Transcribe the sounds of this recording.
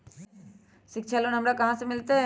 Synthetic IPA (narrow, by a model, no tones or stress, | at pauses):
ʃɪkt͡ʃʰalonɐmɽakɐɦãsemɪlt̪e